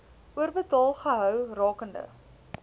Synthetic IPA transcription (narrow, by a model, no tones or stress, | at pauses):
ʔuərbətɑːlˠχəɦœwrɑːkəndə̰